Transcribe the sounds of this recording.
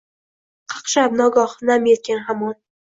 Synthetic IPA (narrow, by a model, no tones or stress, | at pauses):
qʰɑ̥qʃab̚nɒɡɒχnamjet̪̚kʲanɦamɒn